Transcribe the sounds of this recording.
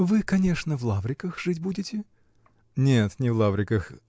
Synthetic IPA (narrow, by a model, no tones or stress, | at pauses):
vɨkɐnʲe̞ʂnəvlˠavɾʲɪkəxʐɨtʲbudʲɪtʲɪ | nʲet̪nʲɪvlˠavɾʲɪkəx